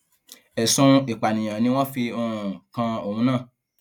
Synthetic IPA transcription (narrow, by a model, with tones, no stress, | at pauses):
ɛ˨sũ˧i˨k͡pa˨nĩ˨j̃ã˨nĩ˧w̃ɔ̃˦fi˧õ˦˨kã˧o˨hũ˧˦nãː˦˨